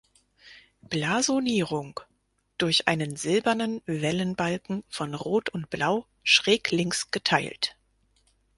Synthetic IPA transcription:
b̥laːzoniːʁʊŋ | d̥ʊɐçʔa̰ɪnənzɪlbɐnənvɛlənbalkŋ̩fɔnʁoːtʰʊnt̚b̥laʊ | ʃʁ̥ɛːklɪŋsɡ̥ətʰaɪlt

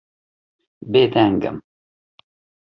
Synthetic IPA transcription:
beːd̪ɛŋɡɨ̰m

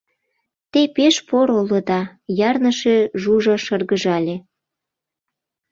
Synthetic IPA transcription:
t̪epeʃpoɾolod̪ɑjɑrnəʃeʒuʒɑʃərɣəʒɑlʲe

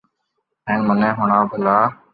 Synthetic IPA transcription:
ẽːnmənẽːɦʊɳaːbəlaː

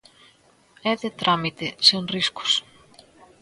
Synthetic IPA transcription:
ɛðet̪ɾʔamit̪ɪseŋriskʊ̥s

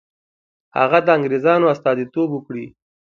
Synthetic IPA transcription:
ha̰ɣad̪əaŋɡɾezɑnoast̪ɑd̪it̪obukɽi

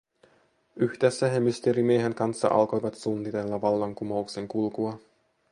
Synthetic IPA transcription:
yhd̪esːæɦemyst̪eɾimiːɦeŋkɑnsːɑ̰ʔɑ̰lko̞jʋɑt̪sunːit̪e̞lːɑʋɑlːɑŋkumowkse̞ŋkulkuɑ

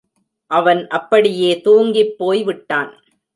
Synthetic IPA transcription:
ʔɐʋɐnʔɐpːɐɽɪjeːt̪uːŋɡɪpːoːjʋɪʈːaːn

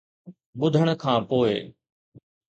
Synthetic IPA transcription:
ɓʊd̪ʱəɽ̃ə̆kʰãːpoːɪ

